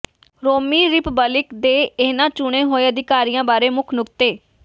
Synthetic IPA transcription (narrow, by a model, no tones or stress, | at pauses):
ɾoːmiːɾɪpbəlɪkd̪eːeːnãːt͡ʃʊɽ̃eːɦoːeːəd̪ɪkaːɾijãːbaːɾeːmʊkʰnʊkt̪eː